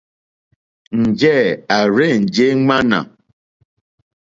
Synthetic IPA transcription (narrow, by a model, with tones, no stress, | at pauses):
n̩˨d͡ʒɛ˦˨a˨ɾe˦˨n̩˨d͡ʒe˦ŋ͡ma˦na̰˨